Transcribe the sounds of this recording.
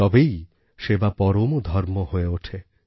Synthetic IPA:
ɔbej | ʃebapɔɾomod̪ʱɔɾmohoeoʈʰe

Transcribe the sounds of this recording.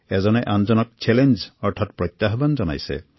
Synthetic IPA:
ezɔneʔand͡ʒɔnɔk̚t͡ʃelend͡ʒɔɾʈʰɔt̪pɾɔjt̪jaɦɔband͡ʒɔna̰jsḛ

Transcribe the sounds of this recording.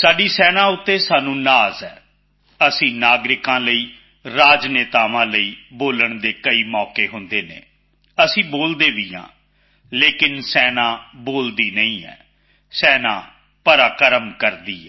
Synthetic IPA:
saːɖiːsɛːnãːʊt̪ːeːsaːnũːnaːzɛː | əsĩːnaːɡɾɪkãːləiː | ɾaːd͡ʒneːt̪aːʋãːləiːboːləɳd̪eːkəiːmɔːkeːɦʊnd̪eːnḛ̃ː | əsĩːboːld̪eːʋɪjã̰ː | leːkɪnsɛːnãːboːld̪iːnəĩːɛ̰ː | sɛːnã̰ː | pəɾaːkəɾəmkəɾd̪iːɛː

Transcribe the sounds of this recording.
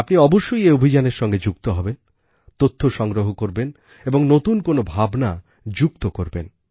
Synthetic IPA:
apniɔboʃːojeobʱid͡ʑaneɾʃɔŋɡed͡ʑuk̚t̪oɦɔben | t̪ot̪ʰːoʃɔŋɡɾoɦokoɾben | eboŋnot̪unkonobʱabna | d͡ʑukt̪okoɾben

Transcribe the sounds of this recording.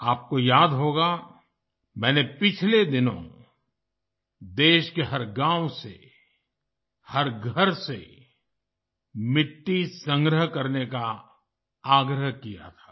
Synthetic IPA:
aːp̚kojaːd̪ɦoːɡa | mɛ̃ːnepɪt͡ʃʰled̪ɪnõ̰ | d̪eːʃkeɦɐɾɡãːwsḛ | həɾɡʱəɾsḛ | mɪʈːisə̃ŋɡɾəɦkɐɾneka | aːɡɾəɦkija̰t̪ʰḁː

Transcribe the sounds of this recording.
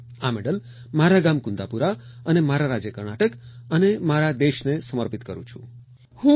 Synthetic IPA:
ameɽəl | maɾaɡamkund̪apuɾa | ənemaɾaɾad͡ʒjəkəɾɳaʈəkənemaɾad̪eʃnesəməɾpit̪kəɾṵ̃t͡ʃʰṵ̃ | hũ

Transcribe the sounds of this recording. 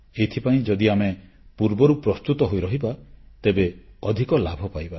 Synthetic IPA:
et̪ʰipaĩd͡ʒɔd̪iame | puɾbɔɾupɾɔst̪ut̪ɔɦojɾɔɦibat̪ebeɔd̪ʱikɔlabʱɔpajba

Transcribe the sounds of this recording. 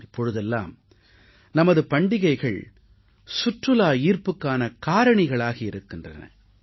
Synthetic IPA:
ɪpːɔɻɯðɛlːa̰ːm | nɐmɐðɯpɐɳɖɪɣɐɪɣɐɭ | sʊʈrɯlaːiːrpɯkːaːnɐkaːɾɐɳɪɣɐɭaːɣɐɪɾɯkːɪndrɐ̰nɐ̰

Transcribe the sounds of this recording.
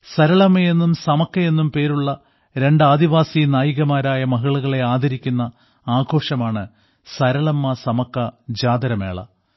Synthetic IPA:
sɐɾɐɭɐmːɐje̞nːumsɐmɐkːɐje̞nːumpe̞ːɾuɭːɐ | ɾe̞ɳɖaːd̪iʋaːsinaːjiɣɐmaːɾaːjɐmɐɦɐɭuɣɐɭe̞aːd̪ʱɐɾikʲːunːɐ | aːɡʱo̞ːʂɐmaːɳɨ | sɐɾɐɭɐmːɐsɐmɐkːɐd͡ʑaːd̪ɐɾɐmḛːɭɐ̰

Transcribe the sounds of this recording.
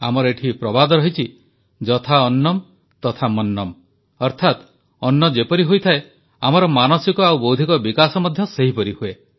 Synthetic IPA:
a̰mɔɾɔeʈʰipɾɔbad̪ɔɾɔɦit͡ʃʰi | d͡ʒɔt̪ʰaɔnːɔm | t̪ɔt̪ʰamɔnːɔm | ɔɾt̪ʰat̪ | ɔnːɔd͡ʒepɔɾiɦujt̪ʰae | amɔɾɔmanɔsikɔawbowd̪ʱikɔbikasɔmɔd̪ʱjɔseɦipɔɾihue

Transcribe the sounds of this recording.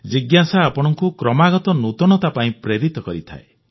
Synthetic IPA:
d͡ʒiɡjasaːpɔɽ̃ɔŋkukɾɔmaɡɔt̪ɔnut̪ɔɽ̃ɔt̪apaĩpɾeɾit̪ɔkɔɾit̪ʰa̰e

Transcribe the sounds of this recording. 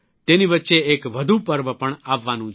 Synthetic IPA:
t̪eːniʋətːʃeeːkʋəd̪ʱupəɾʋəpəɳaːʋːaːnũː

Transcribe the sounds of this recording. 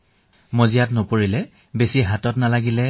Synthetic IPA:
mozijatnopoɹilɛ | besiɦatɔtnalaɡilɛ

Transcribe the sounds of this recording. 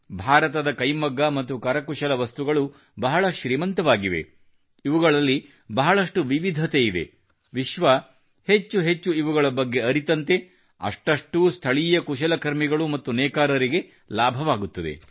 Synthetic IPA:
bʱaːɾɐt̪ɐd̪ɐkɐjmɐɡːɐmɐt̪ːukɐɾɐkuʃɐlɐʋɐst̪uɡɐɭu | bɐɦɐɭɐʃɾiːmɐnt̪ɐʋaːɡiʋe̞̰ | iʋuɡɐɭɐlːi | bɐɦɐɭɐʂʈuʋiʋid̪ʱɐt̪eid̪e̞̰ | ʋiʃʋɐ | het͡ʃːuɦe̞t͡ʃːuiʋuɡɐɭɐbɐɡːe̞ɐɾit̪ɐnt̪e̞ | ɐ̰ʂʈɐʂʈust̪ʰɐɭijɐkuʃɐlɐkɐɾmiɡɐɭumɐt̪ːunɛːkaːɾɐɾiɡe̞ | laːbʱɐʋaːɡut̪ːɐd̪e̞̰

